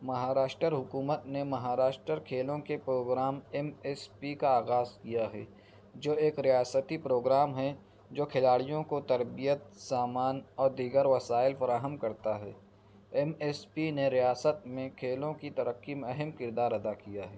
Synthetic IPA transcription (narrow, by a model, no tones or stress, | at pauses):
mɐɦaːɾaːʃʈɾəɾɦʊkuːmət̪nemɐɦaːɾaːʃʈɾəɾkʰeːlõkepɾoːɡɾaːmɛmɛːspikaaːɣaːzkijaɦɛ̰ː | d͡ʒoːeːkɾijaːsət̪ipɾoːɡɾaːmɦɛ | d͡ʒoːkʰɪlaːɽijõkot̪ɐɾbijət̪saːmaːnɔːɾd̪iːɡəɾʋɐsaːɪlfɐɾaːɦəmkɐɾt̪aɦɛː | ɛmeːspineɾijaːsət̪mẽkʰeːlõkit̪ɐɾəqːimɛɦɛmkɪɾd̪aːɾɐd̪akijaɦɛː